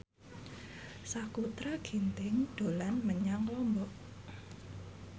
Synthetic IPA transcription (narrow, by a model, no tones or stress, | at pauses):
sakut̪ɾaɡ̥i̤nt̪ɪŋd̥o̤lanməɲaŋlɔmbɔʔ